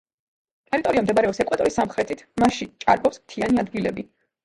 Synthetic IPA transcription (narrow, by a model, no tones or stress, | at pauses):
t̪ʼɛɾit̪ʼɔɾiamd̪ɛbaɾɛɔpsɛkʼwɛt̪ʼɔisamχɾɛt̪ʰit̪ʰmaʃit͡ʃʼa̰ɾbɔpsmt̪ʰianiad̪ɡilɛbi